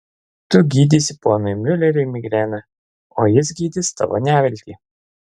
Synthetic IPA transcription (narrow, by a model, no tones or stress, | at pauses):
t̪ʊɡʲiːd̪ʲisʲɪpoːnʊjmʲʏlʲɛɾʲɛɪmʲɪɡɾʲæːnɐ | oːjɪs̬ɡʲiːd̪ʲɪst̪ɐ̰ʋo̰nʲæːʋʲɛlʲt̪ʲiː